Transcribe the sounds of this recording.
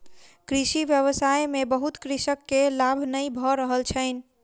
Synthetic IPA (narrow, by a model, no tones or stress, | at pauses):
kɾisiʋjəβəsajmebəɦut̪kɾisəkːelabʱnəjbʱɔɾəɦəlt͡ʃʰəɪn̆